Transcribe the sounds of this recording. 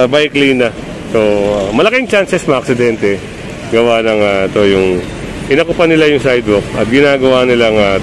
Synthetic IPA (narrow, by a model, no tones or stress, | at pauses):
bajklinːɐ | soamɐlɐkɪŋt͡ʃansɛsmɐʔɐk̚sɪd̪ɛnt̪ɛ | ɡɐwanɐŋaɪt̪o̞jʊŋ | ʔɪnɐkʊpanɪlajʊŋsajd̪wok̚ɐt̪̚ɡɪnaːɡɐwanɪlaŋa